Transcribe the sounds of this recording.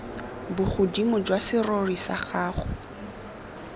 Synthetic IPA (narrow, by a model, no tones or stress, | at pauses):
bʊχʊdimʊd͡ʒwasɪrorisa̰χaːχʊ